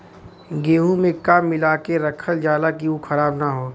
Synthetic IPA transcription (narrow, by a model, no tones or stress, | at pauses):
ɡeːɦũmẽkaːmːɪlaːkeɾɐkʰəld͡ʒaːlak̬iukʰɐɾaːbnaɦoː